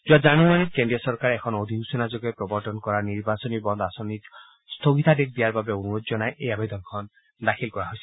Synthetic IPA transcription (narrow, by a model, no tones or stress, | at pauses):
d͡ʒuad͡ʒanumanikeɳɖiɔsɔɾkaɾeekʰɔnod̪ʱiɦusenad͡ʒoɡepɾɔbɔɾt̪ɔnkɔɾaniɾbasɔnibɔnd̪ɔasɔnit | st̪ʰoɡit̪ʰadek̚ʰd̪ijaɾbabeonuɾozɔnajʔejabed̪ɔnkʰɔn | d̪akʰilkɔɹaɦojsʰi